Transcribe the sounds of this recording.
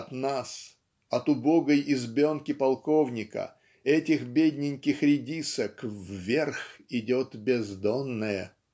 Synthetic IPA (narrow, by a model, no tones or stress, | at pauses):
ɐt̪nas | ɐt̪ʊbo̞ɡəjɪzbʲonkʲɪpɐlˠko̞vnʲɪkə̰ | ɛtʲɪxbʲedʲnʲɪnʲkʲɪxɾʲɪdʲisəkvːʲe̞rxɪdʲot̪bʲɪzd̪onːəjə